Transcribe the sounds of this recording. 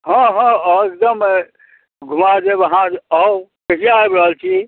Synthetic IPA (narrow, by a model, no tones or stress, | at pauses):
ɦə̃ɦɔ̃ekd̪əm | ɡʱumad͡ʒebəɦãd͡ʒɔwkəliaebɾəɦəlt͡ʃʰi